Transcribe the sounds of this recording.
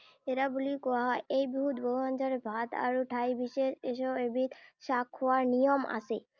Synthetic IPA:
eɾabulikɔaɦɔjʔejbiɦut̪boɔnd͡ʒaɾebʱat̪a̰ɾuʈʰajbiʃeʃeʃɔebit̪ʃakʰowaɾnijɔma̰se

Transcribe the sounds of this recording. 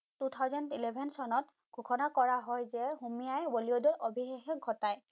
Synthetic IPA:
tutʰawzɔntilebʱɛnsɔnɔt̚ | ɡʱukʰɔnakɔɹaɦɔjzɛhumijajboliodɔɹʔobʱixexɛɡʱɔtaj

